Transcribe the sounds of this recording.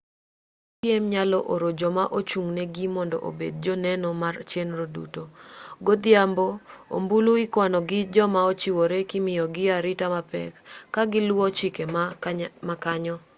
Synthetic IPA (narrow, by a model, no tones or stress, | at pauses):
pjemɲalɔʔoɾod͡ʒɔmaʔot͡ʃuŋneɡimɔndɔ̰ʔo̰bḛd̚d͡ʒonɛnomart͡ʃenɾodṵtoɡod̪ɪamboo̰mbuluɪkwanɔɡɪd͡ʒɔmaot͡ʃiwoɾekɪmɪjɔɡɪaɾɪtamapɛ̰kːaɡɪlwɔt͡ʃikemmakaɲɔ